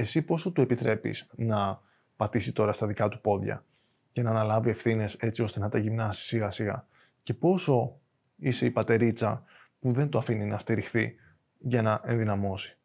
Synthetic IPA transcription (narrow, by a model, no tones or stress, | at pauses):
e̞sipo̞sot̪ue̞pit̪ɾe̞pḭsnɐ | pɐt̪isit̪o̞ɾɐst̪ɐðikɐt̪u̥po̞ðʝɐ̰ | cɐnɐːnɐlɐvie̞fθine̞se̞t͡sio̞st̪enɐt̪ɐʝimnɐsi̥siɣɐsiɣɐ̰ | ce̞po̞so̞ | ise̞ipɐt̪e̞ɾit͡sɐ | puðe̞nt̪oɐfininɐst̪iɾixθi | ʝɐnɐʔe̞nðinɐmo̞si̥